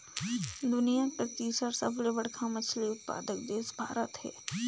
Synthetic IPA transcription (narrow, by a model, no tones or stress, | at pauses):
d̪ʊnijapɾət̪iːsəɾsəblebəɽkʰamɐt͡ʃʰliʊt̪̚pa̰ːd̪ək̚d̪eːsbʱa̰ːɾət̪ɦɛ̰ː